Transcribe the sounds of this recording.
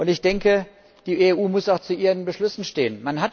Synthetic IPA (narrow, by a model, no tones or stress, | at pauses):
ʔʊntɪçd̥ɛŋkə | d̥iːʔeʔuːmʊsaʊxt͡suʔiːʁənbəʃlʏsn̩ʃteːənmanɦat